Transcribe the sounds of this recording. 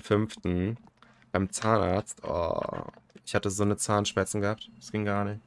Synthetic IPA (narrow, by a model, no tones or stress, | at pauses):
fʏnftn̩ | b̥aɪmt͡saːnʔa̰ːɐt͡stʔɔ̰ː | ʔɪçhatəzoːnət͡saːnʃmɛɐt͡sn̩ɡəhap̚tsɡ̥ɪŋɡaːɐnɪç